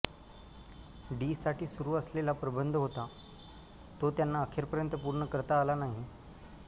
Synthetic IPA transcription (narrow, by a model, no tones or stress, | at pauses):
ɖiːsaʈʰiːsuɾuːəslelapɾəbənd̪ʱɦot̪a | t̪ot̪janːaːkʰeɾpəɾjənt̪əpuɾɳəkəɾt̪aːlanaɦi